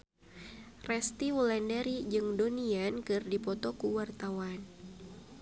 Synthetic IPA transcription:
rɛst̪iwulɛndɛɾid͡ʒɨŋdoniankɨrdipɔt̪ɔkuwart̪awan

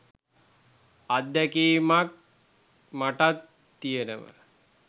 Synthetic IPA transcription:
ad̪ːækiːmak̚ | maʈat̪ː | ijenə̰mə̰

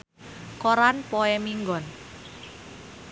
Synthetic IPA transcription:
koɾanpɔɛmiŋɡɔn

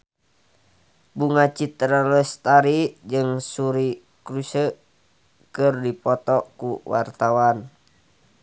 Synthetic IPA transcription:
buŋat͡ʃit̪ɾalɛst̪aɾid͡ʒɨŋsuɾi | kɾusə | kərdipɔt̪ɔkuwa̰rt̪awan

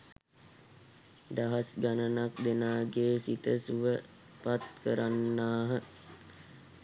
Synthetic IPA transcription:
d̪aɦasɡanənak̚d̪enaːɡeːsit̪əsuʋə | pat̪kəɾanːaːɦə

